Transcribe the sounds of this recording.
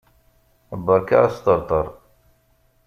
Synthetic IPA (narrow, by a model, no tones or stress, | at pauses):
bəɾka̰ast̪əɾt̪ˤəɾˤ